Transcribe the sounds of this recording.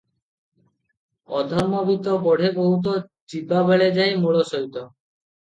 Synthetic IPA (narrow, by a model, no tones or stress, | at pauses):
ɔ̰d̪ʱɔɾmobʱit̪opɔɖʱeboɦut̪̬od͡ʑibabeɭed͡ʑaemoɽoʃoɦit̪o